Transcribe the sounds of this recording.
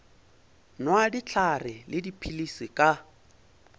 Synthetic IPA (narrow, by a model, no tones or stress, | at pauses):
nwadit͡ɬʰarɪlɪdipʰilisikʼa